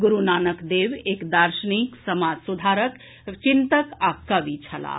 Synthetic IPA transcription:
ɡuɾunaːnəkd̪eʋekd̪aɾʃəniksəmad͡ʒsud̪ʱaɾək | t͡ʃint̪əkakəʋit͡ʃʰɐla̰

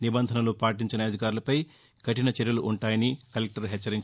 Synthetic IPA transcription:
nibɐnd̪ʱɐnɐloːpaːʈiɲt͡ʃinɐɐd̪ʱikaːɾulɐpɐj | kɐʈinɐt͡ʃɛɾjɐluʔuɳʈaːjɐnikɐlek̚ʈɐɾɦɛt͡ʃːɐɾiɲt͡ʃ

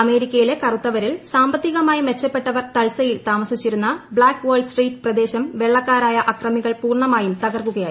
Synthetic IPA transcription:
ɐme̞ːɾikʲːɐjile̞kɐrut̪ːɐʋɐɾilsaːmbɐt̪ːiɣɐmaːjime̞t͡ɕːɐpːe̞ʈːɐʋɐrt̪ɐɭsɐjilt̪aːmɐsit͡ɕːiɾunːɐbɭaːkːʋɐːɖsʈriːʈːɨprɐd̪e̞ːɕɐmʋe̞ɭːɐkːaːɾaːjɐʔɐkrɐmiɣɐɭpuːrɳɐmaːjumt̪ɐɣɐrkːuɣɐjaːji

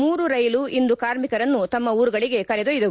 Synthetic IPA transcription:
muːɾuɾɐjluʔind̪ukaːɾmikɐɾɐnːut̪ɐmːɐuːɾuɡɐɭiɡe̞kɐɾed̪ojid̪ɐ

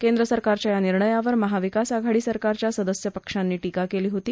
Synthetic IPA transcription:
kend̪ɾəsəɾkaɾt͡ɕjajaniɾɳəjaʋəɾməɦaʋikasaɡʱaɽiːsəɾkaɾt͡ɕjasəd̪əsjəpəkʂanːiːʈikakeliːɦot̪iː

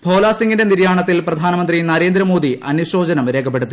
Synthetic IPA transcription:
bʱo̞ːlaːsiŋɡinde̞niɾjaːɳɐt̪ːilprɐd̪ʱaːnɐmɐnd̪rinɐɾe̞ːnd̪ɾɐmo̞ːd̪iʔɐnuɕo̞ːd͡ʑɐnɐmɾe̞ːkʰɐp̬ːeɽut̪ːi

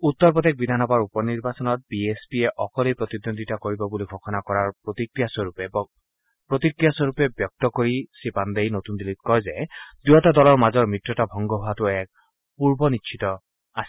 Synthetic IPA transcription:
ut̪ːɔɹpɔt̪ek̚bid̪ʱanɔbaɹupɔniɹbasɔnɔt̚biespiɛʔɔkɔlejpɹot̪id̪ond̪ʱitakoɹibɔbuliɡʰʱɔkʰɔnakɔɹaɹpot̪ikɹijasɔɹupɛb | pɹot̪ikɹijasɔɹupɛbjɔk̚tɔkoɹisipand̪ejnotundilit̚kɔjzɛdujɔtadɔlɔɹmazɔɹmɹitɹɔtabʱɔŋɡɔɦatʊɛk̚ | puɹbɔniʃʰitɔ | asi

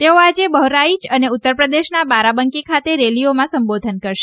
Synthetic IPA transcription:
t̪eoad͡ʒebəɦɾait͡ʃəneut̪ːəɾpɾəd̪eʃnabaɾabəŋkikʰat̪eɾeliomãsəmbod̪ʱənkəɾʃe̥

